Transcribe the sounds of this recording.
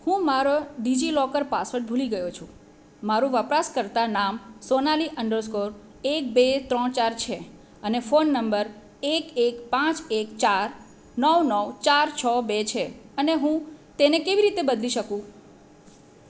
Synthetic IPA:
hũmaɾoɖid͡ʒilɔkəɾpasʋəɾʈbʱuliɡəjot͡ʃʰũ | maɾũʋəpɾaskəɾt̪anamsonaliʔəɳɖəɾskoɾ | ek̚bet̪ɾɔɳt͡ʃaɾt͡ʃʰe | ənefonːəmbəɾ | ekekpãt͡ʃekt͡ʃaɾ | nəʋnəʋt͡ʃaɾt͡ʃʰɔbet͡ʃʰeəneɦũt̪enekeʋiɾit̪ebəd̪liʃəkũ

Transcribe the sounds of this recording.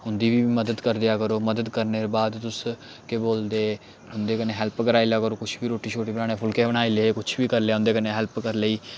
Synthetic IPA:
ɦʊnd̪iːʋiːməd̪əd̪kəɾd̪ɪjaːkəɾoːməd̪əd̪kəɾneːɾbaːd̪t̪ʊs | keboːld̪eː | ɦʊnd̪eːkəneːɦɛlpkəɾaːilaːkəɾoːkʊt͡ʃʰʋiːɾoːʈiːt͡ʃʰoːʈiːbənaːɽ̃eːpʰʊlkeːbəɽ̃aːiːleːeːkʊt͡ʃʰʋiːkəɾljaːɦʊ̃nd̪eːkəneːɦɛlpkəɾləiː

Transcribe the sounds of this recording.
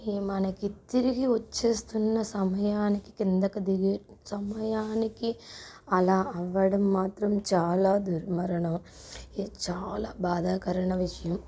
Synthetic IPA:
iːmaːnɐkːit̪ːiɾiɣiut͡ʃːest̪unːɐsɐmɐjaːnɐkːi̥kːind̪ɐkːɐd̪iɡi | sɐmɐjaːnikːi | ɐlaːɐʋɐɽɐmːaːt̪ɾɐmt͡ʃaːlaːd̪uɾmɐɾɐɳoː | it͡ʃaːlaːbaːd̪aːkɐɾɐɳɐʋɪʂɐjɐm

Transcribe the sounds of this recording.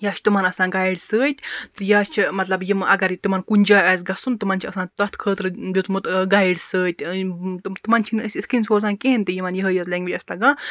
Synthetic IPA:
jaːt͡ʃʰt̪umanɐsãːnɡaiɽsəːt̪ʲt̪ɨjaːt͡ʃʰimɐt̪lɐbjimʔɐɡɐɾt̪umɐnkunʲd͡ʒaːɛːs̬ɡɐsunt̪ɨmɐnt͡ʃʰiɐsãːnt̪ɐt̪ʰkʰəːt̪ɾɨd͡ʒʲut̪mut̪ɡajɽsəːt̪ʲ | t̪ɨmɐnt͡ʃʰinəsʲit̪ʰkinsoːs̬aːnkeɦinʲt̪ɨjimɐnjəɦəjɐt̪lɐŋɡʋit͡ʃʲɐsʲt̪ɐɡãː

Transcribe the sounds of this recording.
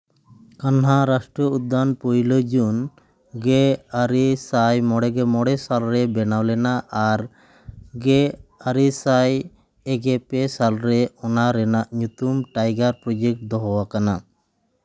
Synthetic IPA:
kanɦaɾasʈɾɔud̪ːanpɔjlod͡ʒun | ɡɛaɾisajmɔɽɛɡɛmɔɽɛsalɾɛbɛnawlɛnaʔaɾ | ɡɛaɾisaj | ɛɡɛpɛsalɾɛɔnaɾɛnaʔɲut̪umʈajɡaɾpɾɔd͡ʒek̚ʈ̚d̪ɔɦɔwakana

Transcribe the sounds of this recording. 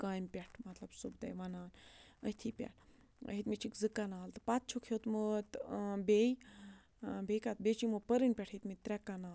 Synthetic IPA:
kaːjmpʲaʈʰmɐt̪lɐbsubd̪ɐ̰jʋanaːnə̰t̪ʰipʲa̰ʈʰ | ɦit̪mit͡ʃikzɨkːanaːlt̪ɨ̥pat̪̚t͡ʃʰokʰot̪mət̪bej | bekat̪̚bet͡ʃimɨpəɾinpʲɛʈʰit̪mit̪ɾʲɛkːanaː

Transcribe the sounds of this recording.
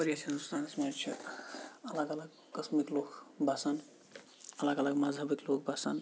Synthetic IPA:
pəɾijasɐnust̪aːnsmeɾt͡ʃʰɐ̰ | ɐləɡɐləɡ | kɐsmiklokbʱasan | ɐləɡɐləɡmad͡zʱabiklok̚bʱasa̰n

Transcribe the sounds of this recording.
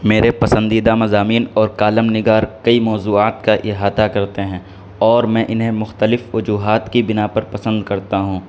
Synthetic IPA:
meːɾepɐsə̃nd̪iːd̪amɐzaːmiːnɔːɾkaːləmnɪɡaːɾkɐimɔːzuːaːt̪kaʔɪɦaːt̪akɐɾt̪eɦɛ̃ː | ɔːɾmɛ̃ːʔɪnɦemʊxt̪əlɪfʋʊd͡ʒuːɦaːt̪kibɪnapɐɾpɐsə̃nd̪kɐɾt̪aɦũː

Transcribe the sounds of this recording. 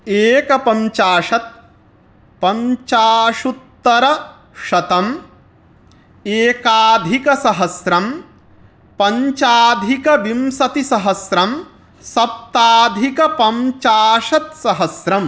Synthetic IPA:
eːkɐpɐɲt͡ʃaːʃɐt̪̚ | pɐɲt͡ʃaːʃut̪ːɐɾɐ | ʃɐt̪ɐm | eːkaːd̪ʱikɐsɐɦɐsɾɐm | pɐɲt͡ʃaːd̪ʱikɐbimsɐt̪isɐɦɐsɾɐm | sɐp̚t̪aːd̪ʱikɐpɐmt͡ʃaːʃɐt̪sɐɦɐsɾɐm

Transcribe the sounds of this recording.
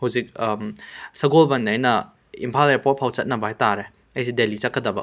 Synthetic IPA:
hɐwzik̚ | sɐɡolbɐnɐjnɐ | ḭmpʰalepot̚pʰawt͡ʃɐt̚nɐbɐhajtaɾe | ɐjs̬idelit͡ʃɐt̚kʰːɐdɐbɐ̰

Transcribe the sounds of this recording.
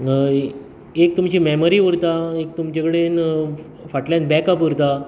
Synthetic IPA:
ek̚t̪umt͡ɕimɛməɾiʋəɾt̪aek̚t̪umt͡ɕekɽen | faʈljãn̚bɛkapʋəɾt̪a

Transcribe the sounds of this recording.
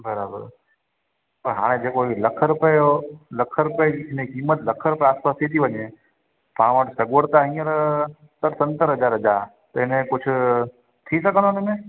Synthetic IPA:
bʱəɾabə̰ɾ | pəɾɦa̰ːɽ̃ẽd͡ʒekoiləkʰəɾpəoləkʰːəɾpeɪnẽkimːət̪ləkʰːəɾpeaːspaset̪ʰiʋəɲe | pãːʋəʈsəɡʋəɽt̪aɦĩəɾ | t̪əɾsə̃nt̪əɾɦəd͡ʒaɾəd͡ʒa | t̪oɦɪnẽkʊt͡ʃʰ | t̪ʰisəkənõnemẽ

